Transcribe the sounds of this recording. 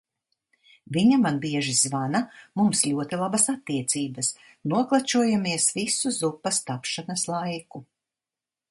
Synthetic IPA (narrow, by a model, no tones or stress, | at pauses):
viɲamanbiɛʒizvanamumslʲuɔt̪ilˠabɐsat̪ːiɛt̪siːbɐs | nuɔklˠat͡ʃuɔjamiɛsvisuzupːɐst̪apʃanɐslˠajku